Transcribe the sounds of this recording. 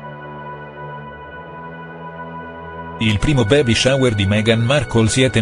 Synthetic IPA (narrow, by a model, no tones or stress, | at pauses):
ilpɾiːmobɛːbiʃawerd̪imɛɡanmarkʰolsiɛt̪ːe